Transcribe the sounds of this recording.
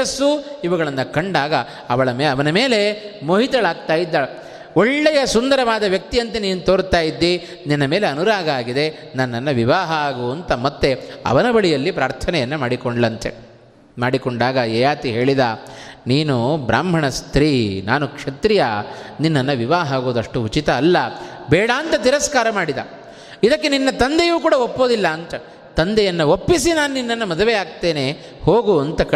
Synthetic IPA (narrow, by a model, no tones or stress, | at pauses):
ɐsːuiʋɐɡɐɭɐnːɐkɐɳɖaːɡɐ | ɐʋɐɭɐmɐʋɐnɐme̞ːle̞moːɦit̪ɐɭaːɡ̚t̪aːjid̪ːa | oɭːɛjɐsund̪ɐɾɐʋaːd̪ɐʋjɐk̚t̪ijɐnt̪ɐniːnut̪oːɾt̪aːjid̪ːi | ninːɐme̞ːle̞ɐnuɾaːɡɐaːɡid̪e̞ | nɐnːɐnːɐʋiʋaːɦɐaːɡuɐnt̪ɐmɐt̪ːeɐ̰ʋɐnɐbɐɭijɐlːipɾaːɾt̪ʰɐnɛjɐnːɐmaːɽikoɳɖlɐnt̪ḛ | maːɽikoɳɖaːɡɐɛjaːt̪iɦe̞ːɭid̪aːniːnubɾa̰ːmbʱɐɳɐst̪ɾiːnaːnukʂɐt̪ɾijaninːɐnːɐʋiʋaːɦaːɡoːd̪ɐʂʈuut͡ʃit̪ɐːlːɐbɛːɽaːnt̪ɐt̪iɾɐskaːɾɐmaːɽid̪ɐ̰ | id̪ɐkːe̞ninːɐt̪ɐnd̪ejuːkuːɽɐopːo̞ːd̪ilːɐːnt̪ɐ | t̪ɐnd̪ɛjɐnːɐopːisinaːnuninːɐnːɐmɐd̪uʋejaːɡ̚t̪e̞ːneː | hoːɡuɐnt̪ɐkɐ